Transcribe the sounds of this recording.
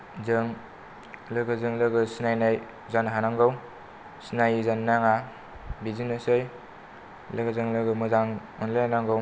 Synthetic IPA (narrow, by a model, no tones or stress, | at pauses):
zɯŋ | lɯɡɯzɯŋlɯɡɯsinajnaj | zanɦanaŋɡɯw | sinajzanːaŋa | bizinɯsɯj | lɯɡɯzɯŋlɯɡɯmɯzaŋ | ɯnlajanaŋɡɯw